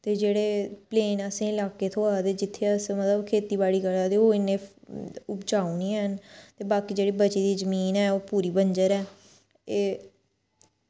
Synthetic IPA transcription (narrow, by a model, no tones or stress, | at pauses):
t̪eːd͡ʒeːɽeːpleːnəsẽːɪlaːkeːt̪ʰoːaːd̪eːd͡ʒɪt̪ʰːeəsmət̪ləbkʰeːt̪iːbaːɽiːɡəlaːd̪eːoːɪnːẽːʊpd͡ʒaːuːnĩːənt̪eːbaːkiːd͡ʒeːɽiːbət͡ʃiːd̪iːzəmiːnɛːoːpuːɾiːbəɲd͡ʒəɾɛː | eː